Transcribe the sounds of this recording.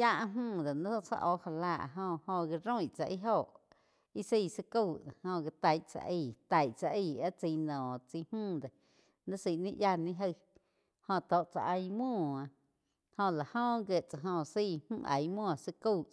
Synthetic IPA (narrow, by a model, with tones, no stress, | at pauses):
ja˦ʔɦmũː˦˧˨d̪e˨nə̃˦t͡sa̰˦˧ʔo˧ha˧laː˧˨ʔɦõ˧hõ˧ɡi˧ɾõ˦ĩ˨t͡sa̰˧ʔi˦ɦo˧˨ʔ | i˦siː˧˨sə˧kuː˧˨hõ˧ɡi˧t̪a˨jʔt͡sa̰˧ʔi˧˨t̪a˨jʔt͡sa˧ʔi˧˨a˦t͡si˧nɔ̃ː˨t͡si˧hmũː˦˨d̪e˨ | nə̃˦si˧˨nĩ˦˧ʔja˧nĩ˦ɦə˧ | hõ˧t̪o˧˨ʔt͡sa̰˧ʔə˧jmɔ̃ː˦˨ã˧ | hõ˧la˨hõ˦˧ɡə˧˨ʔt͡sa˨ɦõ˧siː˦˧˨mũ˦˧ʔa̰˨jmũː˦˨a˨sə˧kuː˦˧˨